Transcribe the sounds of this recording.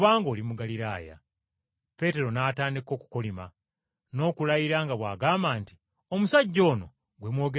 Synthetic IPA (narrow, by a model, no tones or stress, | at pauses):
βaːŋɡo̞ːlimuɡaliɾaːja̰ | pe̞ːte̞ɾo̞naːtaːndiko̞ːku̥ko̞lima | no̞ːkulajiɾaŋɡaβwa̰ːɡaːmbaːnti̥ | o̞musaɟːo̞ːno̞ | ɡwe̞mwo̞ːɡe